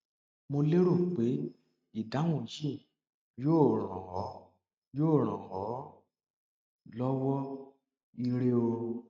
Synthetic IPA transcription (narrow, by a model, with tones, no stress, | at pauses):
mo˧le˦ɾo˦˨k͡pe˨˦ | i˦˨da˨˦w̃ũ˦˨˦jĩ˦˨ | joː˦˨ɾ̃ã̰˨wɔ˨˦ | joː˦˨ɾ̃ã˨wɔ˨˦ | lɔ˦wɔ˦ | i˧ɾe˦o˧